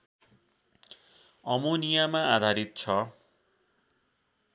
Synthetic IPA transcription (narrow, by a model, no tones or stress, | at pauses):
ʌmonijamãad̪ʱaɾit̪̚t͡sʰʌ